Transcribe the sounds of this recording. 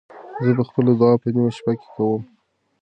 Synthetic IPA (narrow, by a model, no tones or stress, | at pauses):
zəpəxpəlod̪ʊɑpəniwaʃbake̥kawəm